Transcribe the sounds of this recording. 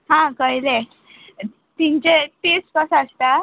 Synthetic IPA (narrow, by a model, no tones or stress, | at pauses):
ɦãkəjle | t̪iɲt͡ɕet̪eskəsast̪a